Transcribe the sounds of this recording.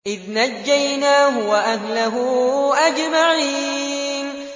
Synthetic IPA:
ʔɪðnad͡ʒːajnaːɦʊwaʔahnaɦʊʔad͡ʒmaʕiːn

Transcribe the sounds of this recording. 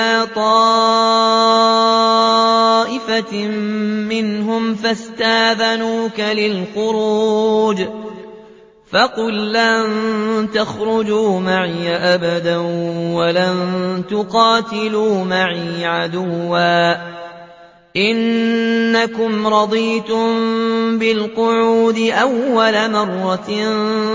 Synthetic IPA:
aːt̪ˤɑː | ʔɪfa | mɪnɦʊmfast̪aːðanuːkalɪlxʊɾuːd͡ʒ | faqʊlːant̪axɾʊd͡ʒuːmaʕjaʔabad̪awalant̪ʊqɑːt̪ɪluːmaʕiːʕad̪ʊwːaː | ʔɪnː | akʊmɾˤɑd̪ˤiːt̪ʊmbɪlqʊʕuːd̪ɪʔawːalamɑrˤːɑ

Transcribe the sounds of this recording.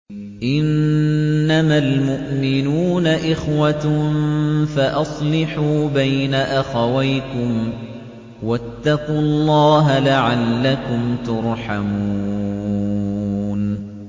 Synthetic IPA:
ʔɪnː | amalmʊʔmɪnuːnaʔɪxwa | faʔɑsˤlɪħuːbajnaʔaxawajkʊm | wat̪ːɑqʊlˤːɑːɦalaʕalːakʊmt̪ʊɾˤħamuuː | n

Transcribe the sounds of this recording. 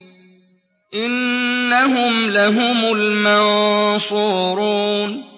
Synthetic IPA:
ʔɪnːaɦʊmlaɦʊmʊlmasuːɾuːn

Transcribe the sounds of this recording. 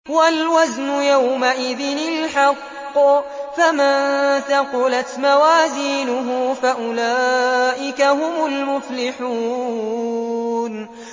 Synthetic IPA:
walwaznʊjawmaʔɪðɪnɪlħɑqː | famanθaqʊlat̪mawaːziːnʊɦʊfaʔʊlaːʔɪkahʊmʊlmʊflɪħuː | n

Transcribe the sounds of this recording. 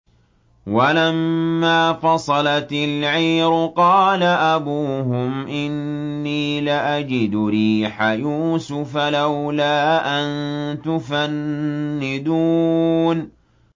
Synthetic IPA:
walamːaːfɑsˤɑlɑt̪ɪlʕiːɾʊqɑːlaʔabuːɦʊmʔɪnːiːlaʔad͡ʒɪd̪ʊɾiːħajuːsʊfalawlaːʔant̪ʊfanːɪd̪uːn

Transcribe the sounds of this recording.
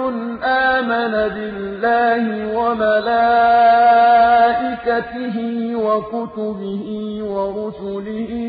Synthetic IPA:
ʊnʔaːmanabɪlːaːhɪwamalaː | ʔɪkat̪ɪɦɪːwakʊt̪ʊbɪhɪwaɾʊsʊlɪhɪ

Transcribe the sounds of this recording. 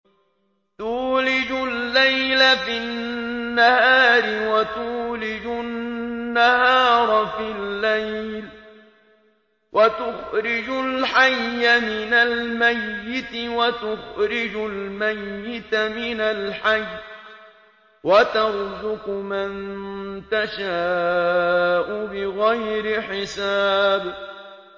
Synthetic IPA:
t̪uːlɪd͡ʒʊlːajlafɪnnːahaːɾɪwat̪uːlɪd͡ʒʊnːahaːɾˤfɪlːajl | wʔat̪ʊxɾɪd͡ʒʊlħajːamɪnalmajːɪt̪ɪwat̪ʊxɾɪd͡ʒʊlmajːɪt̪mɪnalħaj | wat̪ɑɾˤzʊqʊmant̪aʃaː | ʔʊbɪɣajɾɪħɪsaːb

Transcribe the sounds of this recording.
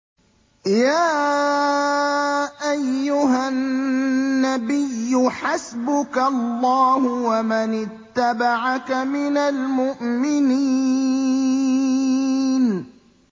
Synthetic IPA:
jaː | ʔajːʊɦa | abɪjːʊħasbʊkalːɑːhʊwamɪnɪt̪ːabaʕakamɪnalmʊʔmɪniː | n

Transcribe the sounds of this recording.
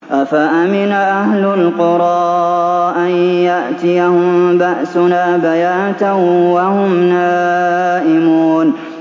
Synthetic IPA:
ʔafaʔamɪnaʔahlʊlqʊɾˤɑːʔanjaʔt̪ɪjahʊmbaʔsʊnaːbajaːnt̪awahʊmnaːʔɪmuːn

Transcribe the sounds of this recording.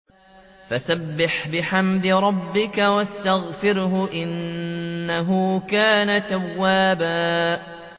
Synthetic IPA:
fasabːɪħbɪħamd̪ɪɾˤɑbːɪkawast̪aɣfɪɾɦʊʔɪnː | aɦʊkaːnat̪awːaːbaː

